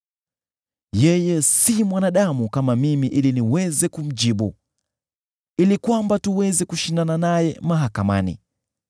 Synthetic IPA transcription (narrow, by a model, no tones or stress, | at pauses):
jɛjɛsimwanaɗamukamamimiʔiliniwɛzɛkum̩d͡ʒiɓu | ilikwambatuwɛzɛkuʃindananajɛmaɦakama̰nḭ